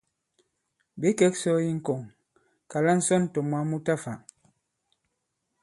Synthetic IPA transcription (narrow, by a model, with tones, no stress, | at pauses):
be˨˦kɛ˦k̚sɔ˦ji˦ŋ̩˦ko˨ŋ | ka˨la˦n̩˦sɔ˦n˨tɔ˨mwa˨˦mu˦ta˦˨fa˨